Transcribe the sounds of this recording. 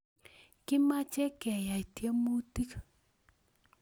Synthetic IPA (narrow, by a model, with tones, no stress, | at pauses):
kɪ˦ma˦t͡ʃɛ˦kɛ˨ja˨i˨tje˦mu˦ti˦k